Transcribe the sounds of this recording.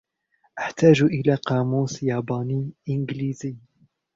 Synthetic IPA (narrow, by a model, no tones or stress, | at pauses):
ʔaħt̪aːʒʔɪlaːqɑːmuːsjaːbɑːniːʔɪnɡliːzɪj